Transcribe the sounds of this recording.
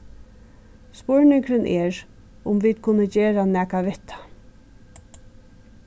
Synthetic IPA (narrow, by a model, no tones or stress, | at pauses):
spɔɹnɪŋkɾɪnʔɛːɹ | ʊmʋiːt̪̚kʰʊnːəd͡ʒeːɾanæːkaʋɪht̪ʰḁ